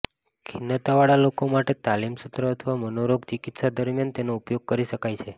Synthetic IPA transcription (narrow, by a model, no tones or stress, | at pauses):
kʰinːət̪aʋaɭalokomaʈet̪alimsut̪ɾəət̪ʰʋamənoɾoɡt͡ʃikit̪ʃad̪əɾmjant̪enoupjoɡ̚kəɾiʃəkajt͡ʃʰe